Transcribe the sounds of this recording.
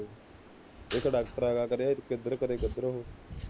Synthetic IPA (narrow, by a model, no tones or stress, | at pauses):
ɪkɖaːkʈəɾaːɡaːkəɾeaːɪt̪kəd̪ɾəkəɾeːkəd̪ɾəɦoː